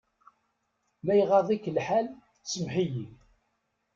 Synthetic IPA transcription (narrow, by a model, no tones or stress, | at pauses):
læjʁɑðˤikːəlħal | t͡sːəmħijin